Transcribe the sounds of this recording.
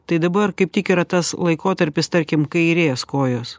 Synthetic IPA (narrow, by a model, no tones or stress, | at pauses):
t̪ɐɪd̪ɐbɐɾkɐɪp̚t̪ʲɪkɪɾɐt̪ɐslˠɐɪkoːt̪ɐɾʲpʲɪst̪ɐɾʲkʲɪmkɐɪɾʲeːskoːjoːs